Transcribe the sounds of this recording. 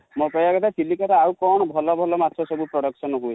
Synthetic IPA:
mopɔjakɔt̪ʰasʰilikaɾaawkɔɽ̃ɔbʱɔlɔbʱɔlɔmat̪ʰːɔsɔbupɾɔɽɔksɔnɔɦuj

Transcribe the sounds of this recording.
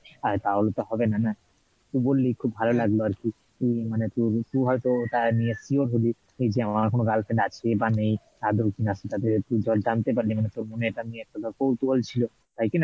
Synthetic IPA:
at̪aɦolot̪ɔɦɔbenana | t̪ubolːikʰubbʱalolaɡloaɾki | ejmanet̪oɾt̪uɦɔjt̪ot̪aniesioɾɦoli | ejd͡ʒeamaɾkonoɡalpʰeɳɖat͡ɕʰebanej | ad̪ʱokinasʰet̪at̪et̪ud͡ʒʱɔld͡ʒant̪epaɾlimanet̪oɾmoneeʈanieɛk̚ʈad̪ʱɔɾkowt̪uɦolt͡ɕʰilo | t̪ajkena

